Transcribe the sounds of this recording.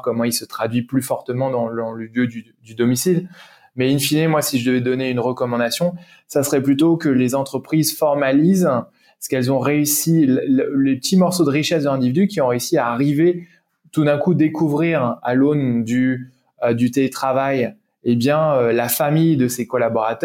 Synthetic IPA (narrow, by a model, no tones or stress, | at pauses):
kɔmɑ̃ilsət̪χad̪ɥiplyfɔʁt̪əmɑ̃d̪ɑ̃ɑ̃ləljød̪y | d̪yd̪ɔmisil | mɛinfinemwasiʒəd̪əvɛd̪ɔneynʁəkɔmɑ̃d̪asjɔ̃ | sasəχɛplyt̪okəlezɑ̃t̪χəpχizfɔʁmaliz | sə̥kɛlzɔ̃ʁeysilllepət̪ʰimɔʁsod̪əʁiʃɛs̬d̪əlɛ̃d̪ivid̪ykʲiɔ̃ʁeysiaːʁive | t̪ud̪ɛ̃kud̪ekuvʁiʁalond̪y | ød̪yt̪elet̪χavaj | ebjɛ̃ølafamijd̪əsekɔlabɔʁat̪œ